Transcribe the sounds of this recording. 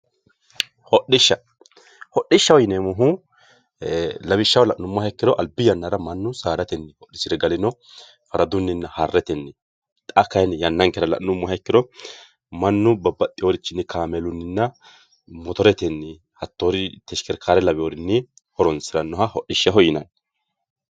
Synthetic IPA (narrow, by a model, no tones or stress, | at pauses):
hɔɗːɪʃːɐ | hɔɗːɪʃːɐwɔjɪnɛmʊɦu | lɐβɪʃːɐwlɐʔnʊmːɔhɐkːɪdɔʔɐlbɪjɐnːaɾɐmɐnːʊsaːɾɐt̪ɛnːɪhɔɗːɪsɪɾɛɡɐlɪnɔ | fɐɾɐd̪ʊnːɪnːɐhɐrːɛt̪ɛnːɪ | t̪ʼɐkːɐjnjɐnːɐŋkɛɾɐlɐ̰ʔnʊmːɔhɐkːɪdɔ | mɐnːʊbɐbɐt̪ʼːɪjoɾɪt͡ʃːɪnːɪkʰaːmɛlʊnːɪnːɐ | mɔt̪ɔɾɛt̪ɛnːɪ | hɐt̪ːoːɾɪt̪ɛʃkɛɾkʰaːɾɛlɐbɪjoːɾɪnːɪ | hɔɾɔnsɪɾɐnːɔɦɐhɔɗːɪʃːɐɦɔjɪnɐn